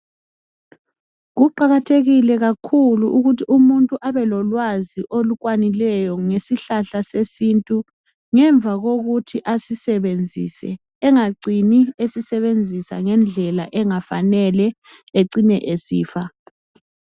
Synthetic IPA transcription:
ɣuǃaɣatʰeɣilɛɣakʰuluʔuɣutʰiʔumuntʼuʔaβɛlɔlwaziʔoluɣwanilɛjɔŋesiɬaɬasesintʼu | ŋɛɱvʱaɣoɣutʰiʔasisɛβend͡zʱḭsɛ̰ː | ŋaɡ͡ǀʱiniesisɛβend͡zʱisa̰ŋɛnd͡ɮʱɛlaʔɛŋafa̰nɛlɛ | eǀinɛ̰ʔesḭːfa

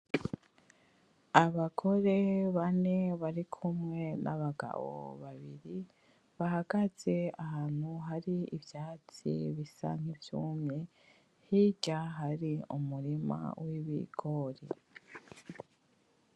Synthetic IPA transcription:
aβaɡo̞ɾe̞βane̞βaɾikʰumŋe̞na̰βaɡa̰βo̰βaβiɾi | βaɦaɡaz̥e̞aɦaːn̥huɦaɾiivjaːt͡sḭβisa̰ŋ̥hivjumɲe | hiɟaɦaɾiumuɾima̰wiβḭɡ̥oɾḭ

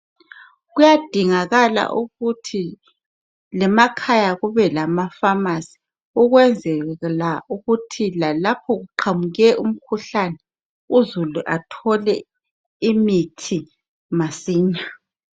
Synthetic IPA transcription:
ɣujad̥ʱiŋaɣala̰ʔuɣutʰi | lɛmakʰajaɣuβɛlamafamasi̥ | uɣwɛnd͡zʱɛɣlauɣutʰilalapʰɔɣuǃʰamuɣɛʔum̩kʰuɬanɛ | uzuluʔatʰɔlɛ | imitʰi | masiːɲa

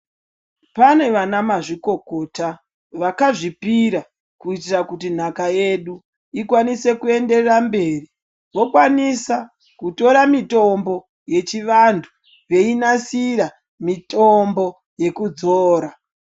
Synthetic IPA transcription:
pane̞ʋanamaʐiko̞ko̞ta | ʋakaʐipiɾa | kuitirakutin̤akaje̞ɗu | ikwanise̞kue̞nde̞rambe̞ːri | ʋo̞kwanisa | kuto̞ɾamitombo̞ | je̞t͡ʃiʋantʰu | ʋe̞inasira | mitombo̞ | je̞kud͡zoːɾa

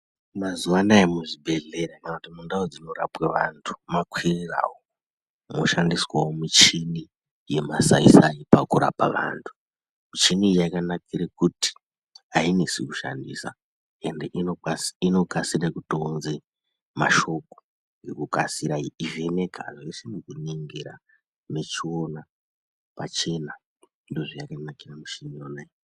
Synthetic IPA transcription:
mazuanaemuʐibʱe̞ɮe̞ɾakanautimundaod͡zino̞ɾapweʋantʰu̥makwirira̰wo | moʃandiswawomit͡ʃini | je̞masaisaipakuɾa̰paʋa̰ːntʰu̥ | mit͡ʃinijakanakirekuti̥ | ainisikuʃa̰ndḭsa̰ | endeʔiino̞kasirekutonze | ma̰ʃo̞ko | ŋɡekukasiɾaiive̞ne̞kʰa̰ʐoisimukuneŋɡeɾa | ne̞t͡ʃio̞na | pat͡ʃe̞na | ndoʐijakanakiramuʃinonai

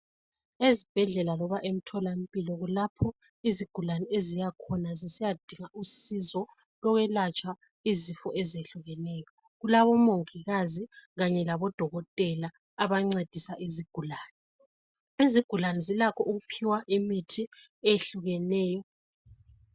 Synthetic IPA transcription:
ezib̥ʱɛɮɛlalɔβaʔem̩tʰɔlam̩pʼilɔɣulapʰɔ | iziɡ̥ʱulanɛezijakʰɔnazisijad̥ʱiŋaʔusizɔ | lɔɣɛlat͡ʃʼwa | izifɔʔɛzeɬuɣɛnɛːjɔ | ɣulaβɔmoŋiɣaziɣaɲɛlaβɔd̥ʱɔɣɔtʼɛlaː | βaŋ͡ǀed̥ʱisaʔiziɡ̥ʱulaːnɛ | iziɡ̥ʱulanɛzilakʰɔʔuɣupʰiwaʔimitʰi | eɬuɣɛnɛːjɔ

